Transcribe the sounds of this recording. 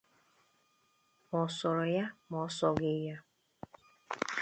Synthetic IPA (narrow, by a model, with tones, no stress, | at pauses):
mɔ˨sɔ˨ɾɔ˨ja˦mɔ˨˦sɔ˨ɡe˦ja˦